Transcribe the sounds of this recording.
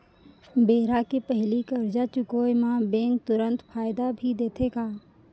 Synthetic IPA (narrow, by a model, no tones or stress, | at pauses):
beːɾakepɛɦlikɐɾd͡ʒat͡ʃʊkoːjmãbẽːŋk̚t̪ʊɾə̃nt̪pʰaːɪd̪abʱid̪eːt̪ʰeɡaː